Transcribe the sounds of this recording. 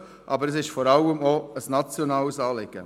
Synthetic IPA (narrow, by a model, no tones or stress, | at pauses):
ʔɑbəɾəsɪʃfɔɾɑləmoəsnɑt͡sjonɑːlsɑːlɪɡ̥ə̰